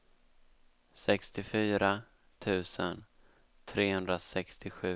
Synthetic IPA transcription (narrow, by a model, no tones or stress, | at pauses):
sɛkst̪ɪfyːɾa | t̪ʰʉ̟ːsən | t̪ʰɾeːhɵnd̪ɾasɛkst̪ɪɧʉ̟ː